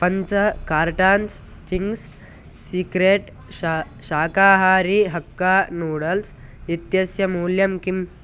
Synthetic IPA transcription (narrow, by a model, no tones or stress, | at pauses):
pɐɲt͡ʃɐkaːɾʈaːns | t͡ʃiŋɡs | sikɾeːʈ | a | ʃaːkaːɦaːɾiɦɐkːaːnuːɽɐls | it̪jɐsjɐmuːljɐmkim